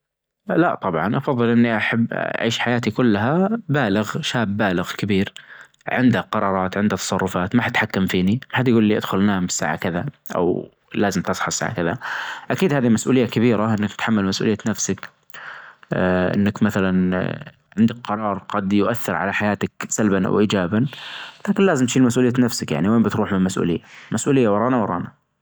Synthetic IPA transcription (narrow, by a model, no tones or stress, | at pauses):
laʔt̪ˤɑbʕɑnʔɑfɑðˤːɨlʔɪnːiʔaħabːa̰ʕiːʃħajaːt̪ikʊlːaɦabaːlɪɣʃaːbːaːlɪɣkɪbiːɾ | ʕɪnd̪aqɑɾˤɑːɾˤɑːt̪ʕɪnd̪hat̪ːɑ̥sˤɑrˤːʊfaːt̪maħat̪ħakːamfiːnimaħad̪jaɡuːlːiʔɪd̪xʊlnaːmɪ̥sːa̰ːʕa̰kɪða | ʔa̰w | laːzɪmt̪ɨsˤħɑɪsa̰ːʕa̰kɪða̰ʔakiːd̪haːðimasʔuːlɪjːakabiːɾaʔɪnːakt̪ħamːalmasʔṵːljːanafsak | ʔɪ̰nːakmaθalan | ʕɪnd̪ak̚qɑɾˤɑːɾˤɡɑd̪jʊʔaθːɪɾʕa̰laħajaːt̪aksalbanʔa̰wʔiːd͡ʒaːbanlaːkɪnlaːzɪmt̪ʃiːlmas̬ʔuːlɪjːanafsakja̰ʕniweːmbɪt̪ɾuːħmɪnmasʔṵːlɪ̰jːamasʔuːlɪjːawɑɾˤɑːnawɑɾˤɑ̰ːna